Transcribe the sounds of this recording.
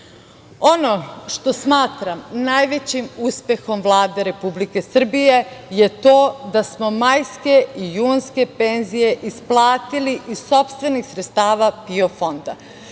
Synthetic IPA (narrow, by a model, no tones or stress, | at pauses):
o̞no̞ʃt̪o̞smaːt̪ɾamnajʋe̞t͡ɕimuspe̞xo̞mʋlˠaːd̪e̞ɾe̞publike̞sr̩bije̞je̞t̪oːd̪asmo̞majske̞ijuːnske̞penzije̞ʔisplˠaːt̪iliʔiso̞pst̪ʋe̞nixsɾet̪st̪aːʋapiofo̞nd̪a̰